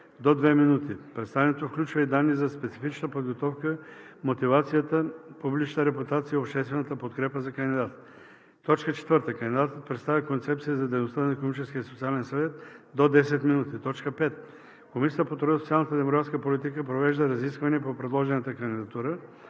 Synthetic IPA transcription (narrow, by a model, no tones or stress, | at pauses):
d̪od̪vɛminut̪ipɾɛt̪st̪avʲɛnɛt̪ofklʲut͡ʃvəid̪anːizɐspɛt̪sifit͡ʃnəpod̪ɡot̪ɔfkəmot̪ivat̪sijət̪əpublit͡ʃnəɾɛput̪at̪siəopʃt̪ɛst̪vɛnət̪əpot̪kɾɛpəzɐkənd̪id̪at̪ | t̪ɔt͡ʃkət͡ʃɛ̥t̪vəɾt̪əkɐnd̪id̪at̪ət̪̚pɾɛt̪st̪avʲikont̪sɛp̚t̪siəzɐd̪ɛjnost̪ənɐikonomit͡ʃɛsk̟ʲiəsot̪sialɛnsɐvɛt̪d̪od̪ɛsɛt̪minut̪it̪ɔt͡ʃkəpɛt̪ | komisʲiət̪əpot̪ɾɔsot̪sialˠnət̪əd̪ɛmoɡɾat̪skəpolit̪ikəpɾovɛʒd̪əɾɐziskvəniɛpopɾɛd̪lˠɔʒɛnət̪əkənd̪id̪ɐt̪uɾə